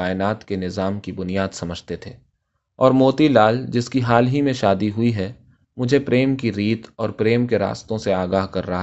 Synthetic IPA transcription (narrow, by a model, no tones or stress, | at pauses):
aːɪnaːt̪kenɪzaːmkibʊnijaːd̪sɐməd͡ʒʱt̪et̪ʰeː | ɔːɾmoːt̪ilaːld͡ʒɪskiɦaːlɦimẽʃaːd̪iɦʊiɦɛ | mʊd͡ʒʱepɾeːmkiɾiːt̪ɔːɾpɾeːmkeɾa̰ːst̪õseaːɡaːɦkɐɾːɐɦa